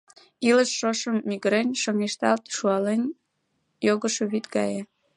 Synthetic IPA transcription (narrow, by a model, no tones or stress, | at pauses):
iləʃːoʃəmːiɣɾenʲʃoŋiʃt̪ɑlt̪ʃuɑlenʲ | joɣəʃoβit̪ɡɑ̰je